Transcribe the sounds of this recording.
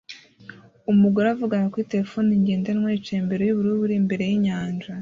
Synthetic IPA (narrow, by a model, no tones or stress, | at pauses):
umuɡaɾavuɡaŋakuite̞ɾefo̞ːniɲɟeːndenŋweit͡ʃeːmbe̞ɾojuβuɾuβuɾimbe̞ɾe̞jiɲaːnʒa